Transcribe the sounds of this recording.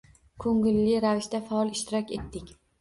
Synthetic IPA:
kʰɵŋɡɪlːɪɾavɪʃt̪afaɒlˠɪʃt̪ɪɾɒkʲe̞t̪ːɪkʲ

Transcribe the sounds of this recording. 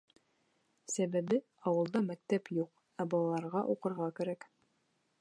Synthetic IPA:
sæβæbɘ | ɑwɤ̆lˠd̪ɑmæk̚t̪æpjuq | æbɒlˠɑlˠɑɾʁɑʔuqɤ̆ɾʁɑkæɾæk

